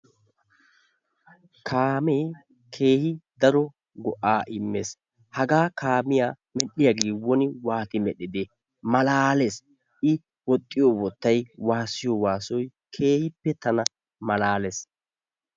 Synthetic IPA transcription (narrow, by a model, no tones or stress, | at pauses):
kʰaːmeː | kʰe̞ːhɪd̪ɐɾɔ | ɡɔʔaːʔɪmːes | hɐɡaːkaːmɪjaː | mɛɗɪjaɡiːwːɔnɪwaːt̪ɪmɛɗɪd̪e | mɐlaːles | ʔɪ | wɔt̪ʼːɪjɔwɔt̪ːɐjwaːsɪjɔwaːsɔj | kʰe̞ːhɪpːɛt̪ɐnɐ | mɐlaːles